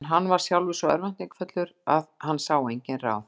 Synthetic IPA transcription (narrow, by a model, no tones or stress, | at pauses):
nɦanːvaɾ̥sjawlvɪsɔɛ̰ɾvan̥t̪iŋkfœt̪lʏɾaðhanːsaːwejɲcɪnra̰ːw